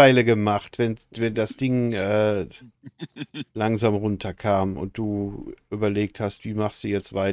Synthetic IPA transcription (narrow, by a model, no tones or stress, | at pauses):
aɪləɡəmaχtv̥ɛnvɛndasd̥ɪŋʔɛː | laŋzaːmʁʊntʰɐkʰaːmʊ̰nt̚d̥uːʔyːbɐleːk̚thastv̥iːmaχstd̥uːjɛt͡stv̥aɪ